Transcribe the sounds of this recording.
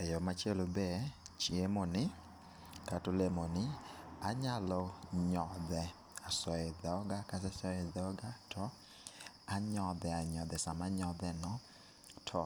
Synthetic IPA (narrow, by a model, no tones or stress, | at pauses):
ɛjɔmat͡ʃelobɛt͡ʃiemonɪ | tatolemonɪaɲalɔɲɔðɛ | asɔɛðɔɡakasɛsɔɛðɔɡatʰɔ | aɲɔðɛaɲɔðɛsamaɲɔðɛnɔ | tʰɔ